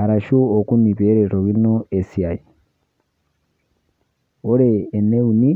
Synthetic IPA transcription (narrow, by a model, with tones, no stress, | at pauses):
a˨ɾa˨ʃu˦o˨ku˦ni˨βe˦ɾɛ˨ɾo˨ɣi˦nɔ˦ɛ˨si˨a˨i˨ | o˦ɾɛː˨nɛ˦u˨ni˦